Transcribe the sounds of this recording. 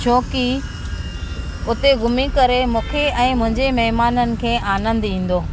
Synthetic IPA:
t͡ɕʰoːki | ʊt̪eɡʊmikɐɾemũːkʰeʔɛ̃ːmʊ̃ɦɪ̃ɲd͡ʑemɐɦmaːnənɪ̆kʰeːʔaːnə̃nd̪ĩːn̆d̪oː

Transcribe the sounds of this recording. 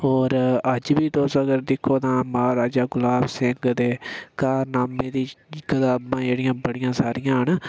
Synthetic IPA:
ɦoːɾəd͡ʒbiːt̪oːsəɡəɾd̪ɪkʰːoːt̪ãːmaːɾaːd͡ʒaːɡʊlaːbsɪŋɡd̪eːkaːnaːmẽːd̪iːkət̪aːbãːd͡ʒeːɽɪjãːbəɽɪjãːsaːɾɪjãːɦəɳ

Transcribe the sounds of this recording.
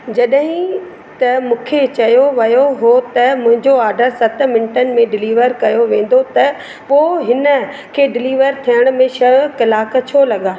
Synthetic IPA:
d͡ʑɐɗɦɪ̃ | t̪ɐmũːkʰet͡ɕɐjoʋɐjoɦot̪ɐmʊ̃ɦɪ̃ɲd͡ʑoaːɾɖəɾsɐt̪ʰmɪnɪʈənɪ̆mẽɖɪliːʋəɾkɐjoʋẽːn̆d̪ot̪ɐ | poːɦɪnə̆ | kʰeːɖɪliːʋəɾt̪ʰijəɽ̃mẽʃɐʋkɐlaːk̆t͡ɕʰolɐɠaː

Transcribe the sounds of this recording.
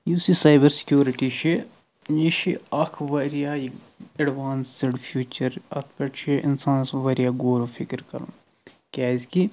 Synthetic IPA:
jusisaːjbɐɾsɪ̥kjuːɾiʈiʃi | niʃiɐkʰʋɐɾijaj | ɐɖʋaːnsɪɖfʰjuːt͡ʃɐɾɐ̰t̪ʰpeʈt͡ʃʰiʔɪ̰nsãːnsʋɐɾijaɡoːɾofʰikɾkɐ̰ɾṵ̃ː | kʲaːzki

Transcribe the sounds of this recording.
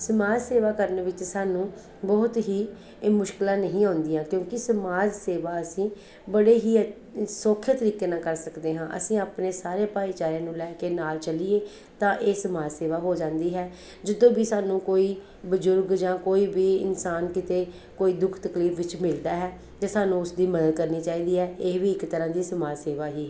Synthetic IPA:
səmaːd͡ʒseːʋaːkəɾnʋɪt͡ʃsaːnũː | bɔːt̪ɦiː | mʊʃkɪlãːnəɦĩːãːnd̪iːãːkjõːkɪsəmaːd͡ʒseːʋaːəsĩː | bəɽeːɦiː | soːkʰjət̪əɾiːkeːnãːkəɾsəkd̪eːɦãːʔə̰sĩːaːpneːsaːɾeːpaːiːt͡ʃaːɾãːnũːlɛːkeːnaːlt͡ʃəliːeː | t̪ãːʔeːsəmaːd͡ʒseːʋaːɦoːd͡ʒãːnd̪iːɦɛː | d͡ʒɪd̪õːbiːsaːnũːkoːiː | bəd͡ʒʊɾɡd͡ʒãːkoːiːbiːɪ̰nsaːnkɪt̪eː | koːiːd̪ʊkʰt̪əkliːfʰʋɪt͡ʃmɪld̪aːɦɛː | d͡ʒãːsaːnũːʊsd̪iːməd̪əd̪̚kəɾniːt͡ʃaːiːd̪iːɦɛːeːʋiːɪkt̪əɾãːd̪iːsəmaːd͡ʒseːʋaːɦiːɛ

